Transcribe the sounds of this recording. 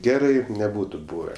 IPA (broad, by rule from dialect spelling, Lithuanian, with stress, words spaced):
ˈɡʲæːrɐɪ nʲɛˈbuːtʊ ˈbuːʋʲɛ